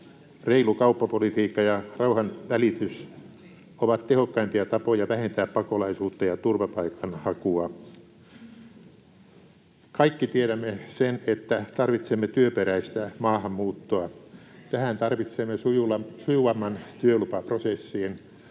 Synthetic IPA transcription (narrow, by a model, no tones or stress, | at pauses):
reilukɑupːɑpolit̪iːkːɑjɑrɑuhɑnʋælit̪ys | oʋɑt̪tehokːɑimpiɑt̪ɑpojɑʋæhent̪æːppɑkolɑisuːt̪ːɑjɑt̪urʋɑpɑikɑnhɑkuɑ | kɑikːit̪ieɾæmːesenet̪ːæt̪ɑrʋit̪semːet̪yøpeɾæist̪æmɑːhɑmmuːt̪ːoɑt̪æhænt̪ɑrʋit̪semːesujulɑsujuʋɑmːɑnt̪yølupɑprosesːiːn